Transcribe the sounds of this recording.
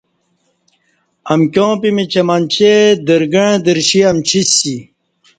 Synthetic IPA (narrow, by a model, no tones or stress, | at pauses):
ɐmkʲjõːpimit͡ɕɐmant͡ɕed̪əɾɡəɻ̃d̪əɾɕiɐmt͡ɕʰisi